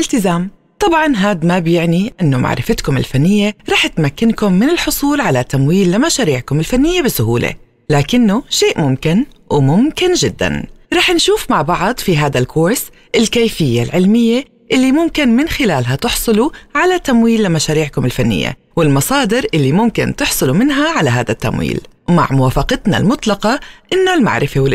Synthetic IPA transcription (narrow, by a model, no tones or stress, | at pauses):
ʔɪlt̪ɪzaːm | t̪ˤɑbʕɑnɦaːd̪mabjɪʕniʔɪnːomʔa̰ʕɾɪ̰fɪt̪kʊmɪ̰lfanːɪjːeɾˤɑːħɪt̪makːɪnkʊmːɪnɪlħʊsˤuːlʕalat̪amwiːlːamaʃaːɾiːʕkʊmɪlfanːɪjːebɪsʊɦuːlḛ | laːkɪnːoʃeːʔmʊmkɪnwmʊmkɪnʒɪd̪ːa̰nɾˤɑːħnʃuːfmaʕbɑʕd̪ˤfiɦaːd̪alkʰʊɾs | ʔɪlkeːfɪjːalʕɪlmɪjːe | ʔɪlːimʊmkɪnmɪnxɪlaːlɦat̪ɪħsˤɨluʕalat̪ːamwiːlːɪmaʃaːɾiːʕkʊmɪlfanːɪ̰jːḛ | wɪlmɑsˤɑːd̪ɪɾʔɪlːimʊmkɪ̰nt̪ɪħsˤɨlumɪnɦaʕalaɦaːd̪at̪ːa̰mwḭːlma̰ʕmʊwaːfɑqɑt̪na̰lmʊt̪ˤlɑqɑʔɪnːalma̰ʕɾɪfewɪl